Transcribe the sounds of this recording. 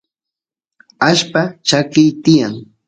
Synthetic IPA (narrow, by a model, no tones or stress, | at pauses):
aʃpat͡ʃakɪjt̪ɪjaŋ